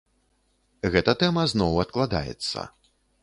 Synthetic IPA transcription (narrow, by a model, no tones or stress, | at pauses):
ɣɛt̪ɐt̪ɛmɐznɔwɐt̪̚klˠad̪a̰jɛ̰t̪sːɐ̰